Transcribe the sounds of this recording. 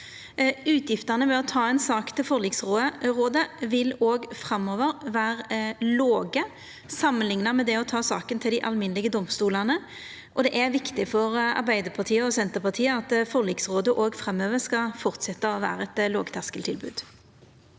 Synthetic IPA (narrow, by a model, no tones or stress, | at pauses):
ʉːt̪ʰjɪft̪əʁnəʋɛɔt̪ʰɑːɛnsɑːkt̪ʰɪlfɔʁliːɡsʁoʁoːd̪əʋɪloːɡfʁɑmːoːʋəʁʋæːʁloːɡə | sɑmːənlɪŋnɑmɛd̪ɛɔt̪ʰɑːsɑ̰ːkənt̪ʰɪld̪ɪʔɑ̰lmɪnəlɪɡəd̪ɔmst̪uːlɑnə | ʔɔd̪ɛʔæʋɪkt̪ɪfɔʁɑ̰ʁbæɪd̪əpʰɑʁt̪ʰiːəɔsɛnt̪əʁpʰɑt̪ʰiːəɑt̪fɔʁliːɡsʁoːd̪əʔoːɡfʁɛmːøːʋəʁskɑfɔʁt̪sɛt̪ːəʋæ̰ːʁəɛt̪lo̰ːɡt̪ʰɑskəlt̪ʰɪlbʉ̰ːd̪̥